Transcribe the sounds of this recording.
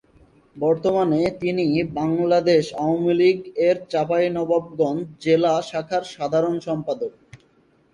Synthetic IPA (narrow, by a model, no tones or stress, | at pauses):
bɔɾt̪omanet̪inibaŋlad̪eʃawamiliɡeɾt͡ɕapajnɔbab̚ɡɔnd͡ʑelaʃakʰaɾʃad̪ʱaɾonʃɔmpad̪ok̚